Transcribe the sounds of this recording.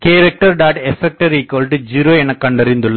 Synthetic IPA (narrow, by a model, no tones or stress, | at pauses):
keːɾɐk̚ʈɐɾɖaːʈɛfɛk̚ʈɐɾiːkːoːlʈɨd͡ʒiːɾoːɛnɐkːɐɳɖɐɾɪnd̪ɯɭːɐ